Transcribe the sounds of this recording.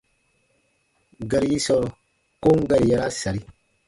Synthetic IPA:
ɡa˨ɾi˨˦ji˦sɔ˦˨ | ko˦ŋ˦ɡa˨ɾi˨ja˨ɾa˦sa˨ɾi˦

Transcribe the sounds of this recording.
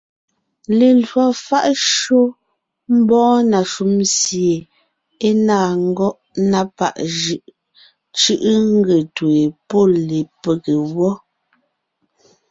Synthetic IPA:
le˨lwɔ˨fa˦ʔʃo˦ | m̩˦bɔ̃ː˦na˨ʃu˦msje˨ | e˦naː˦˨ŋ̩˦ɡɔ˦ʔ | na˦pa̰˦˨ʔʒɯ˦ʔ | t͡ʃɯ˦ʔŋ̩˦ɡe˨twe˨po˦˨le˨pe˨ke˨wɔ˦

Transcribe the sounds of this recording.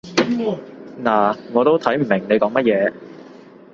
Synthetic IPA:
naː˨˩ŋɔː˨˧t̪o˥wt̪ʰɐ˨˥jm̩˨˩mɪ˨˩ŋne˨˧jkɔː˨˥ŋmɐ˥t̚jɛː˨˧

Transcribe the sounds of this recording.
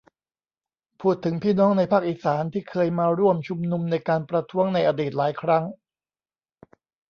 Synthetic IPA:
pʰuː˥˩t̪ʰːɯ˩˦ŋpʰiː˥˩nɔː˦˥ŋna˧jpʰaː˥˩k̚ʔiː˧˩saː˩˦nt̪ʰiː˥˩kʰɤː˧jmaː˧ɾu˥˩əmt͡ɕʰu˧mnu˧mna˧jkaː˧npɾa˧t̪ʰu˦˥əŋna˧jʔaː˧diː˨˩t̪̚laː˩˦jkʰɾa˦˥ŋ

